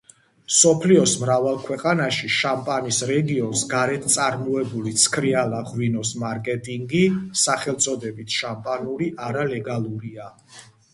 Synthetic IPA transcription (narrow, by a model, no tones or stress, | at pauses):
sɔpʰliɔsmɾavalˠkʰwɛqʼanaʃiʃampʼanisɾɛɡiɔnsɡaɾɛt̪ʰt̪sʼaɾmɔɛbulit̪sʰkʰɾialˠaʁwinɔsmaɾkʼɛt̪ʼiŋɡisaχɛlˠt̪sʼɔd̪ɛbit̪ʰʃampʼanuɾiʔaɾalɛɡalˠuɾia